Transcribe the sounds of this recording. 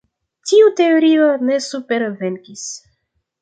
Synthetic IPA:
tiut̪eoɾionesupeɾveŋkis

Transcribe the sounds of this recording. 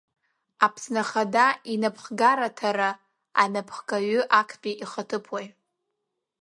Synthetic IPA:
apʰsnaχadainapʰχɡaɾatʰaɾa | a̰napʰχɡʼaɥʏʔakʰpʲʼiʔiχatʰɨpʰwaj

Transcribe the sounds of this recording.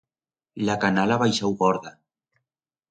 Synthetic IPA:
lakanalaβajʃawɣɔɾða

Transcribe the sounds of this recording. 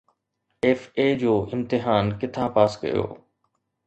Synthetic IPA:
eːfeːd͡ʑoːʔɪmt̪ɪɦaːnkɪt̪ʰãpaːskɐ̰jo̰ː

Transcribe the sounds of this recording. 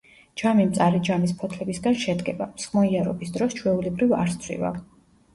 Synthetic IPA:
d͡ʒamimt̪sʼaɾid͡ʒamis̬pʰɔt̪ʰlɛbisɡanʃɛd̪ɡɛbasχmɔiaɾɔ̰bisd̪ɾɔst͡ʃʰwɛulɛbɾivaɾst̪ʰwḭva̰

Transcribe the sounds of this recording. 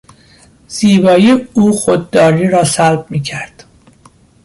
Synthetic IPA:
z̥iːbɒːjiuːxod̪̚ːɒːɾiːɾɒːsælb̚miːcʰæɾd̪̥

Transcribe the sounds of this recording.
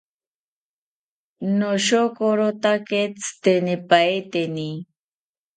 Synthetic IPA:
noʃokoɾot̪aket͡st̪enipaet̪eni

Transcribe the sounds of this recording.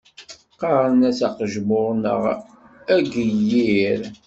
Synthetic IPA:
qɑɾˤənæsæqəʒmʊɾˤnə̰ʁ | æɡəjːiɾ

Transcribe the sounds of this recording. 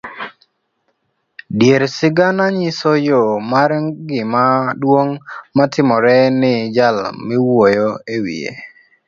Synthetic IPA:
djeɾsɪɡanaɲɪsɔjomaɾɡɪmadwoŋmatʰɪmɔɾɛnɪd͡ʒalmɪwojoewḭḛ

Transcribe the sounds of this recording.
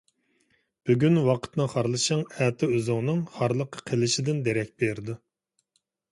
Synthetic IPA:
b̥yɡʲynwɑqʰə̥t̪nɨχɑɾlˠɨʃɑŋɛt̪ʰɪøzʊŋnɨŋχɑɾlˠəqʰə̥qʰəlɪʃɪd̪ɪnd̪eɾɛk̚ʲbeɾd̪u

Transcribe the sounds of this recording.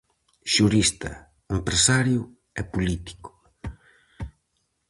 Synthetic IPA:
ʃuɾist̪ɐ̰ | empɾesaɾjʊ | ɛpulit̪i̥kʊ̥

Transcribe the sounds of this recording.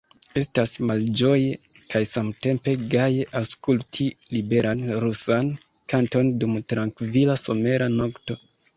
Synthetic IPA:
e̞stasmald͡ʒo̞je | kajsamte̞mpe̞ɡajeʔaskultʰilibe̞ɾʔanɾusan | kanto̞ndumtɾaŋkvilaso̞me̞ɾanokto̞

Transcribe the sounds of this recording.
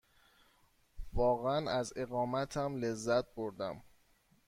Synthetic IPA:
vɒːɣeænæze̞ɣɒːmæt̪ʰæmle̞zːæt̪̚ʰboɾd̪æm

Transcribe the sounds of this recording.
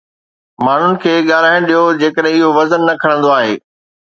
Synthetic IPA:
maːn̤ʊnɪ̆kʰeːɠaːlaːɪ̃ɗijod͡ʑeːkəɗɦɛ̃ɪɦoʋɐzənːɐkʰɐɽ̃ə̃nd̪oaːɦeː

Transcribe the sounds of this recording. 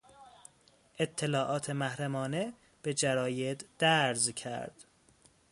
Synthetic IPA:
ʔe̞t̪ʰːelɒːʔɒːt̪ʰe̞mæhɾæmɒːne̞ | b̥e̞d͡ʒæɾɒːje̞d̪d̪̥æɾzcʰæ̰ɾd̪̥

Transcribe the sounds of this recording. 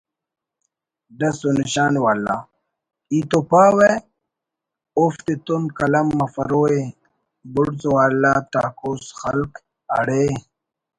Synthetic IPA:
ɖɐsoniɕaːnwaːlːa̰ː | it̪opaːwe | oft̪et̪umkɐlɐmːɐfɐɾoːe | buɽzowaːlːaːt̪aːkoːsxɐlk | ɐ̰ɽe

